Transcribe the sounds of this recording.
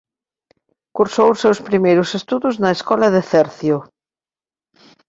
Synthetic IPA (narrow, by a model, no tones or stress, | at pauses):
kuɾsowsewspɾimejɾʊsest̪uðʊznɐeskɔlɐðeθɛɾθjʊ